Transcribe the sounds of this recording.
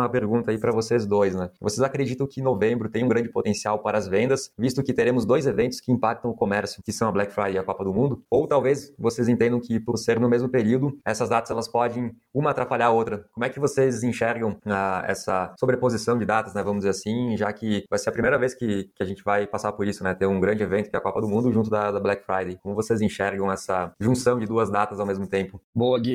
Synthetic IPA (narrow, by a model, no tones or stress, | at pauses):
ɐpeɾɡũnt̪ɐaipɾɐvosezd̪ojsnɛvosezakɾed͡ʒit̪ɐ̃w̃kɪnovẽmbɾʊt̪ẽj̃ũɡɾɐ̃d͡ʒɪpot̪ẽsiawpaɾɐːzvẽnd̪ɐsvist̪ʊkɪt̪eɾẽmʊzd̪ojzevẽnt̪ʊ̥skɪĩmpak̚t̪ɐ̃w̃ʊkomɛɾsjʊkɪsɐ̃w̃ɐblɛkfɾajd͡ʒɪɐkɔpɐd̪ʊmũnd̪ʊowt̪awvesvosezẽnt̪ẽnd̪ɐ̃w̃kɪpʊɾseɾnʊmezmʊpeɾiwd̪ʊɛsɐzd̪at̪ɐzɛlɐspɔd͡ʒẽj̃ | ũmɐaːt̪ɾapaʎaɾaowt̪ɾɐkõmʊɛkɪvosezĩʃɛɾɡɐ̃w̃aɛ̰sɐsobɾepozisɐ̃w̃d͡ʒɪd̪at̪ɐznɛvɐ̃mʊzd͡ʒɪzeɾasĩʒakɪvajseɾɐpɾimejɾɐveskɪkɪaʒẽnt͡ʃɪvajpasaɾpoɾisʊnɛt̪eɾũɡɾɐ̃d͡ʒɪevẽnt̪ʊkɛɐkɔpɐd̪ʊmũnd̪ʊʒũt̪̬ʊd̪ɐd̪ɐblɛkfɾajd̪ejkõmʊvosezĩʃɛɾɡɐ̃w̃ɛsɐʒũsɐ̃w̃d͡ʒɪd̪uɐzd̪at̪ɐzawmezmʊt̪ẽmpʊboɐɡi